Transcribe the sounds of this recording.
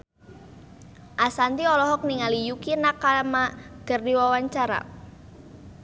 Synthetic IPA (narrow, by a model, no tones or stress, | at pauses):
ʔasant̪iɔlɔɦɔk̚niŋalijukinakːamaɡ̥ə̤rdiwawaɲt͡ʃaɾa̰